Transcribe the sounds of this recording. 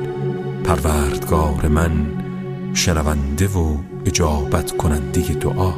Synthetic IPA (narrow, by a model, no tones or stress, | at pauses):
pʰæɾvæːɾd̪̥ɡɒːɾemæn | ʃenævænd̪evo | ed͡ʒɒːbæt̪ʰkʰonænd̪ejed̪o̰ʔɒː